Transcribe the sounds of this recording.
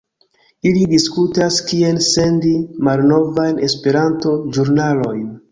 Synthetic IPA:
ilidiskutaskie̞nse̞ndimalno̞vajne̞spe̞ɾanto̞d͡ʒuɾnalo̞jn

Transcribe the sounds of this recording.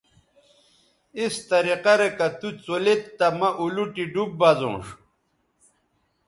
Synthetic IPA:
ist̪ɐɾiqɐɾekɐt̪ut͡solet̪ːɐmɐʔuluʈiɖub̚bazõ̰ːʂ

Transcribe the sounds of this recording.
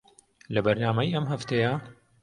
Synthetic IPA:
lɐbɐɾnaːmɐjʔɐmɦɐft̪ʰeja

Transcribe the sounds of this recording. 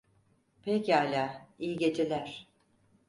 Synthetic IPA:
pʰecalʲaːijiɟe̞d͡ʒelʲæɾ̥

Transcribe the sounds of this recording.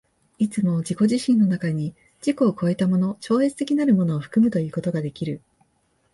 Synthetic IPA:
it͡sɨmo̞d͡ʑiko̞ʑiɕĩnːo̞nakaɲ̟i | d͡ʑiko̞ːko̞e̞t̪amo̞no̞t͡ɕo̞ːe̞t͡sɨ̥t̪e̞kʲinaɾɯ̟mo̞no̞ːɸɯ̟̥kɯ̟mɯ̟t̪o̞jɯ̟ːko̞t̪o̞ɡad̪e̞kʲiɾɯ̟

